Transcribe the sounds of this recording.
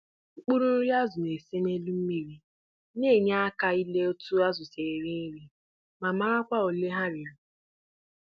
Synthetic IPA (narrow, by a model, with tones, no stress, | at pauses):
ŋ͡m̩˦k͡pu˦ɾu˦n̩˦ɾi˦a˦zʊ˨ne˨se˦me˦lu˦m̩˦mi˨ɾi˨ | ne˦˨ɲ˦a˦ka˦i˦le˦o˦tu˦a˦zʊ˨se˨ɾi˦ɾi˦ | ma˨ma˦ɾa˦kʷa˦o˨le˦ɦa˦ɾɪ˨ʊ˨